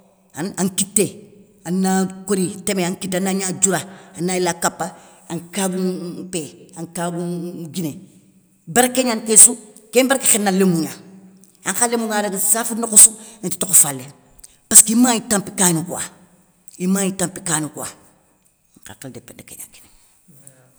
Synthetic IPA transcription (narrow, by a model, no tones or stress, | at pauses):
anãŋkitːe | anːakoɾitemeaŋkitːanaɲad͡ʒuɾaanailakapːa | aŋkabupeãŋkaːbuɡine | baɾakeɲankesukembaɾakexenːalemuɲa | aŋxalemuŋadaksaːfinokusuneti̥tokofalːe | paskimãitãmpikaːnukuwa̰ | imajitãmpi̥kaːnukuwa̰ | ŋka̰kildepedakḛɲa̰kine